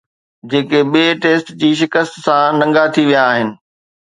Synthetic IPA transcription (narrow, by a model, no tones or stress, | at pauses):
d͡ʑeːkeɓieʈeːsʈd͡ʑiːʃ̬ɪkəst̪sãnɐ̃ŋɡat̪ʰiʋijaːɦɪnɪ̆